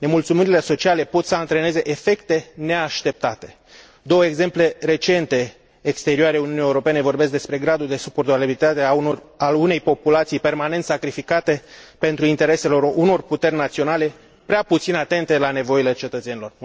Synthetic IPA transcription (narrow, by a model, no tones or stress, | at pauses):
ne̞mult̪sumiɾile̞so̞t͡ʃiale̞po̞t̪səant̪ɾe̞ne̞ze̞ʔefe̞kt̪e̞ne̞aʃt̪e̞p̚t̪at̪e̞ | d̪o̞wəe̞ɡze̞mple̞re̞t͡ʃe̞nt̪e̞ː | kst̪e̞ɾioaɾeuniunijeuɾo̞pe̞ne̞vo̞rbeskd̪e̞spɾe̞ɡɾad̪uld̪e̞supo̞rt̪abibilit̪at̪eaalune̞jpo̞pulat̪sijpe̞rmanent̪sakɾifikat̪e̞pe̞nt̪ɾuint̪e̞ɾe̞se̞lo̞runo̞rput̪e̞rʲnat̪sio̞nale̞ | pɾeaput̪sinat̪e̞nt̪e̞lane̞vo̞ile̞t͡ʃe̞t̪ət̪se̞nilo̞r